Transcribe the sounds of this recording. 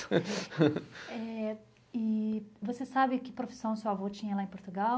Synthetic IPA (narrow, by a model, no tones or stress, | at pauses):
ɛ | ɪvosesabɪkɪpɾofi̥sɐ̃w̃sewavot͡ʃĩɲɐlaẽpoɾt̪uɡaw